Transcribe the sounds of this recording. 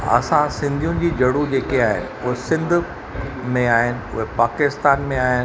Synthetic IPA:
ɐ̰sãsɪ̃nd̪ʱijũd͡ʑiːd͡ʑɐɽud͡ʑeːkeaːɦɪ̰nɪ̰̆ʊɦesɪ̃nd̪ʱʊ | mẽaːɦɪnɪ̆ʊ̰ɦepaːkɪst̪aːnmẽaːɦɪnɪ

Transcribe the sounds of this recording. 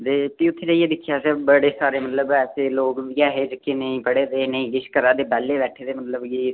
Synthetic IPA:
d̪eːpiːʊt̪ʰːeːd͡ʒəieːd̪ɪkʰjaːseːbəɽeːsaːɾeːmət̪ləbɛːseːloːkiɛːɦeːd͡ʒəkenə̃ĩːpəɽeːd̪eːnəĩːɪʃkəɾaːd̪eːbɛːleːbɛːʈʰeːd̪eːmət̪ləbjeː

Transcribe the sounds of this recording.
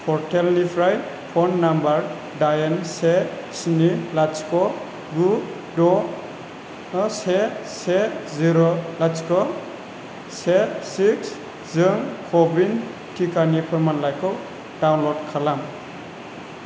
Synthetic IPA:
pʰɔɾtʰelnipʰɾaj | pʰɔnːambaɾ | dajense | snilat͡ʃkɔ | ɡu | dɔ | seseziɾolat͡ʃkɔ | sesiks | zɯŋkʰɔbin | tʰikʰanipʰɔɾmanlajkʰɔw | dawnlɔdkʰalam

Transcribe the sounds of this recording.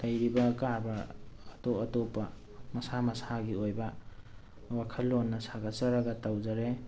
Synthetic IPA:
dajɾibɐkaɾbɐːtoɐtopːɐ | mɐsamɐsaɡiojbɐ | wakʰɐlːonːɐsaɡasɐɾɐɡɐtawzaɾe

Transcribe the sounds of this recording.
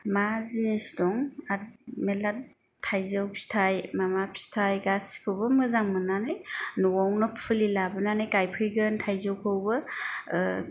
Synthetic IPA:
mazinisdɔŋaɾmelat̚ | tʰːajzɯwpʰi̥stʰajmamapʰi̥stʰajɡaskʰɯwbɯmɯzaŋmɯnanɯjnuwɔwnɔpʰɯlilabɯnanɯjkajpʰɯjɡɯntʰajzɯwkʰɯwbɯ

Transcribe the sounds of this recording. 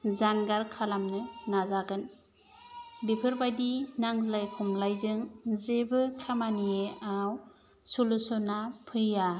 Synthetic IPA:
zanɡaɾkʰalamnɯnazaɡɯn | bipʰɯɾbajdinaŋzlajkʰɔmlajzɯŋzebɯkʰamanijeaw | sulɯsɔnapʰɯja

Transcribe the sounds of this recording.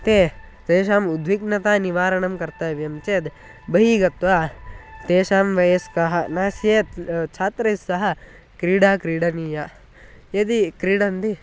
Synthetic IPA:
t̪eː | t̪eːʃaːmud̪ʱʋiknɐt̪aːniʋaːɾɐɳɐmkɐɾt̪aːʋjɐmt͡ʃeːd̪ | bɐɦiːɡɐt̪ʋaːt̪eːʃaːmʋɐjɐskɐɦɐnaːsjet̪t͡ʃʰaːt̪ɾɐjsɐɦɐ̆ | kɾiːɽaːkɾiːɽɐniːjɐ | ed̪ikɾiːɽɐnd̪i

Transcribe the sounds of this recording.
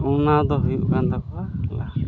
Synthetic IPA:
unad̪ɔɦujuʔkand̪akɔala̰

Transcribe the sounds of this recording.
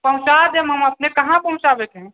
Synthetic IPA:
pəɦũt͡ʃad̪emɦəməpnekəɦãpəɦũt͡ʃabek̪e

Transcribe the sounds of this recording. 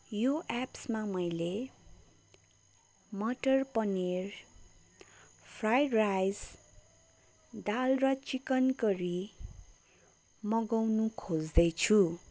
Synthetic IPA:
joʔapsmamʌjle | mʌʈʌrpʌner | pʰrajrajs | d̪alrʌt͡sikʌnkʌɾi | mʌɡʌwnukʰod͡zd̪ʌjt͡sʰu

